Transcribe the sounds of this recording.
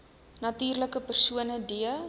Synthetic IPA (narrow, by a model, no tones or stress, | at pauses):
nɐtyːrləkəpərsuənədiə